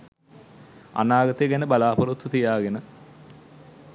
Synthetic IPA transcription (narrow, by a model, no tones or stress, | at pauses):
a̰naːɡɐt̪eɡænəbalaːpoɾut̪ʰːut̪ijaːɡenə